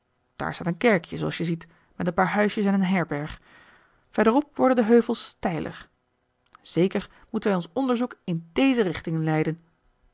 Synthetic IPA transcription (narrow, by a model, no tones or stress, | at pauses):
d̥a̰ːɹstaːnənkɛɹkjəzoɑ̰sjəzit | mɛtənpaːɹɦœɥsjəsɛnənɦɛɹbɛɹχ | fɛɹdərɔp̚ʋɔɹdəndəɦøɥvəlˠstɛjlʔə̰χ | z̥ejkəɹ | mutənʋɛjɔnsɔndəɹzukɪndejzərɪχtɪŋənlɛjdən